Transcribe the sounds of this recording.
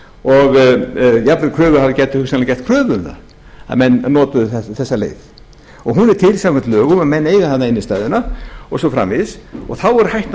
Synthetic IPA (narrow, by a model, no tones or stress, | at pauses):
ɔɣjapɾɪkʰɾœːvʏhavaɾcɛt̪ɪ̥hʏksanlɪcɛht̪kʰɾœːvʏʏmθa̰ | a̰mɛnːɔːt̪ʏðθɛθɛsːalḛːjð | ɔɣɦunɛɾ̥t̪ʰɪlsawkʏnt̪lœːɣʏmaðmɛnːejɣaθanːaɪnːɪst̪aːjðʏnaɔɣsɔwfɾa̰mvɪsɔɣθawɛɾʏhajht̪n